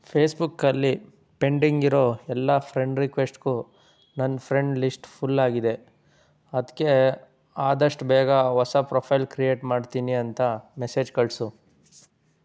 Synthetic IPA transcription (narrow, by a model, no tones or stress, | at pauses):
pʰeːsbukːɐlːi | pe̞ɳɖiŋɡiɾo̞ːɛlːɐpʰɾeɳɖɾikʋesʈku | nɐnːpʰɾe̞ɳɖlisʈpʰulːaːɡid̪e̞ | ɐd̪ɐkːe̞ | aːd̪ɐʂʈbɛːɡɐɦɔsɐpɾoːpʰɐjlkɾije̞ːʈmaːɖt̪iːniɐnt̪ɐmeseːd͡ʒkɐɭsu